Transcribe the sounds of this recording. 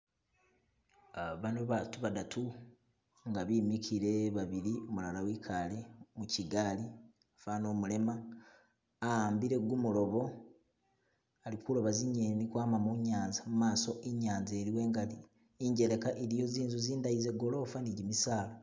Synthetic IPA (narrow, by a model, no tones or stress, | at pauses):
aβanoβatuβadatʰu | ŋɡaβiːmikʰiɾe̞βaβiɾiomulalawikʰalemuciɡali | afaːno̞ːmule̞maː | haːmbiɾe̞ɡumulo̞βo̞ | alikulo̞βaziɲenikwaːmamuɲaːnzamumaːso̞ʔiɲaːnzeɾiwe̞ːŋɡai | iɲɟe̞ɾe̞kaʔeɾijo̞ziːnzuziːndaizeɡo̞lo̞ːfaniɟimisaːlo